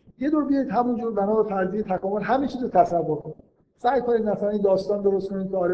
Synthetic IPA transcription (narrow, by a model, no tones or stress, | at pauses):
jed̪uːɾbijɒjid̪hæmund͡ʒuːɾbænɒːbefæɾzijet̪ʰækɒːmo̞lɦæmint͡ʃʰiːzot̪ʰæsævːoɾkʰoni | sæjkʰo̞nid̪mæsælænind̪ɒːst̪ɒːnd̪o̞ɾost̪kʰo̞nid̪k̪ʰʲeɒːɾ